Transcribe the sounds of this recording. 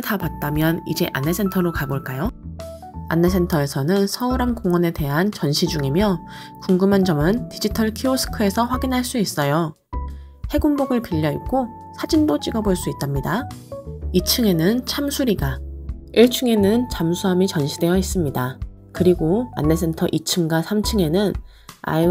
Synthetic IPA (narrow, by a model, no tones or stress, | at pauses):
tapat̚t͈amjʌnid͡ʑe̞ʔa̰nːe̞sʰe̞ntʰʌɾokaboɭk͈ajo | a̰nːe̞s̬ʰentʰʌe̞sʰʌnɯnsʰʌuɾamkoŋʌne̞te̞ɦant͡ɕʌnɕʰid͡ʑuŋemjʌ | kuŋɡɯmɦand͡ʑʌmɯntid͡ʑitʰʌɭkʰiosʰɯ̥kʰɯe̞sʰʌɸwaɡinɦaɭs͈uis͈ʌjo | he̞ɡumboɡɯɭpiʎːʌik̚k͈o | sʰad͡ʑindot͡ɕ͈iɡʌboɭs͈uit͈amɲida | it͡ɕʰɯŋe̞nɯnt͡ɕʰamsʰuɾiɡaiɭt͡ɕʰɯŋe̞nɯnt͡ɕʰamsʰuɦamit͡ɕʌnɕʰidwe̞jʌis͈ɯmɲida | kɯɾiɡoa̰nːe̞s̬ʰe̞ntʰʌʔit͡ɕʰɯŋɡasʰamt͡ɕʰɯŋe̞nɯn | a̰